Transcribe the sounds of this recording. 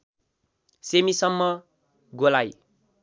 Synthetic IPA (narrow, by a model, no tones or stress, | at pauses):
semisʌmːʌ | ɡolaj